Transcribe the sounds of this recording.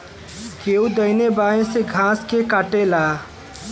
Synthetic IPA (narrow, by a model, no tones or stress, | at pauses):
keud̪əjnebaẽseɡʱãskekaʈela